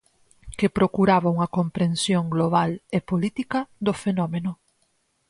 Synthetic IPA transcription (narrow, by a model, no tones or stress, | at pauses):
kepɾokuɾaβauŋɐkompɾẽnsjoŋɡloβ̞alepolit̪ikɐd̪ofenɔmenʊ